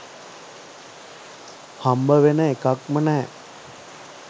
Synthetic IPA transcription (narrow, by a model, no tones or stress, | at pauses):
hambəʋenəekakmənɛː